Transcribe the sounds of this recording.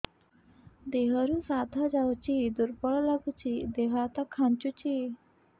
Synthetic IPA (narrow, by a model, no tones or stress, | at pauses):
d̪eɦəɾusad̪ʱad͡ʒawt͡ɕid̪uɾpəɭlaɡut͡ɕid̪eɦat̪akʰant͡ʃut͡ɕi